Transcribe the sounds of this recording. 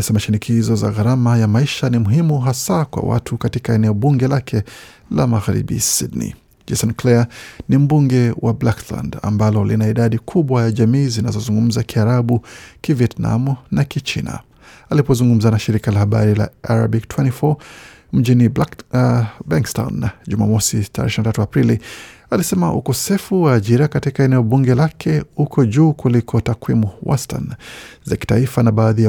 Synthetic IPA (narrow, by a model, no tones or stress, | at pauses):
ɛsamaʃinikʰizɔza̰ɣaɾamajamaiʃanimuɦimuɦasakwa̰wa̰tʰukatikaɛnɛɔɓuŋɡɛlakʰɛ | lamaɣaɾḭɓḭsidnḭ | d͡ʒɛsɔnklɛanim̩buŋɡɛwʔablakla̰nda̰mbalɔlinaiɗaɗikʰuɓwajaʄamiːzinazɔzuŋɡum̩zakiaɾaɓukiviɛtna̰munakit͡ʃina̰ | alipɔzuŋɡum̩zanaʃiɾikalahaɓa̰ɾila̰aɾa̰biktʰwɛntifɔ | m̩ʄini | baŋksta̰wnʄuma̰mɔsitaɾɛ̰ʃinatatuapɾili | alisɛmaʔṵkɔsɛfuwaːʄiɾakatikaɛnɛɔɓuŋɡɛlakʰɛhukʰɔʄuːkulikʰɔtakwimuwɔ̰sta̰nzaki̥taifanaɓaːðija